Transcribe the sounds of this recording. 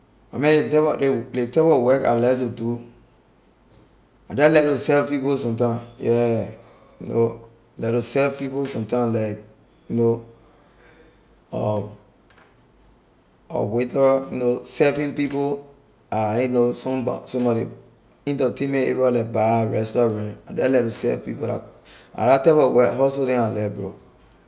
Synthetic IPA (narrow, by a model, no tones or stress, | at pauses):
amɛ̃etɛdeletɛpɔwɛka̰lɛvtudu | ad͡ʒalɛtusɛvpiposɔ̃mtãmjɛ | juno | lɛtusɛvpiposɔ̃mtãmlaɪk̚ | juno | ɔ | ɔ̰wetɔjunosɛvĩnpipo | ainosɔ̃mbɔ̰sɔ̃mbɔɾḭ | ĩntɔtẽnmɛ̃tḛbalak̚baɹɛstɔɹãna̰dɛlɛtusɛ̰vpḭpola̰a̰ɾatɛpɔwɛɦɔsodɛ̃nalɛbo̰